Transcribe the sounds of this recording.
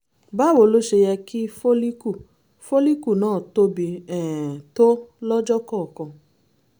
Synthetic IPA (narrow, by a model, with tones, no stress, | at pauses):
ba˦˨wo˨lo˦ʃe˧jɛ˧ki˦fo˦li˦ku˦˨ | fo˦li˦ku˦˨nãː˦˨to˦bi˧ɛ˨to˦lɔ˦d͡ʒɔ˦kɔ˦˨kɔ̃˧